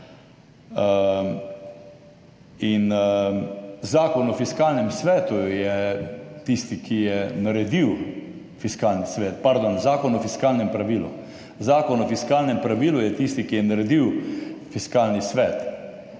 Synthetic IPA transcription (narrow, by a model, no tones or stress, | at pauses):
in | zaːkɔnɔfiskaːlnɛmsʋɛːt̪ujɛt̪ist̪ikʰijɛnaɾɛd̪iw | fiskaːlnisʋɛːt̪paɾd̪onzaːkɔnɔfiskaːlnɛmpɾaʋiːlṵ | zaːkɔnɔfiskaːlnɛmpɾaʋiːlujɛt̪ist̪ikijɛnaɾɛd̪iwfiskaːlnisʋɛːt̪